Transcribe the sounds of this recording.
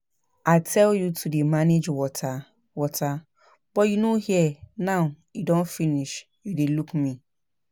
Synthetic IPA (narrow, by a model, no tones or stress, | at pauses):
atʰɛljutʰudemaned͡ʒwɔtʰa | wɔtʰa | b̥ɔjunõhiɛnãjudɔ̃nfiniʃ | judelukmĩ